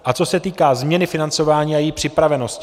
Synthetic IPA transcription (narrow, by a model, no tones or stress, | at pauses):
ʔat͡so̞sɛt̪iːkaːzmɲɛnɪfɪnant͡so̞vaːɲiːajipr̥ɪpɾavɛno̞sc